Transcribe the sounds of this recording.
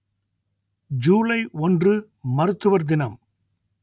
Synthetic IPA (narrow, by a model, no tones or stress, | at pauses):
d͡ʒuːlɐɪʔɔndrɯ | mɐɾɯt̪ːɯʋɐɾd̪ɪnɐm